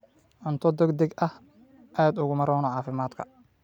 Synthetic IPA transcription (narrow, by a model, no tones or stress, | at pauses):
ʔʊnt̪ʰɔd̪ɛɡd̪ɛɡʔɐh | ʔaːd̪ʊɣʊmɐɾɔːnɔʕɑːfɪmaːd̪kʰɐ̰